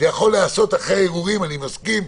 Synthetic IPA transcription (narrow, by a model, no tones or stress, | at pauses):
jaχo̞lːeaso̞t̪aχeeʁuʁimanimaskim